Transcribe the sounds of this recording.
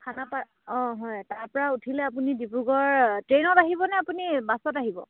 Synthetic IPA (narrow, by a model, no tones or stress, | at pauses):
kʰanapa | ɔ̃ɦɔjtaɹpɔɹautʰilɛap̬unidipuɡɔɹtɹenɔtaɦibɔnɛapunibasɔtaɦibɔ̰